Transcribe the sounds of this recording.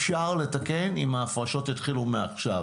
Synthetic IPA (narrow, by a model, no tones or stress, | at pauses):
fʃaʁle̞takenimaːfʁaʃo̞tit̪χilumeaχʃav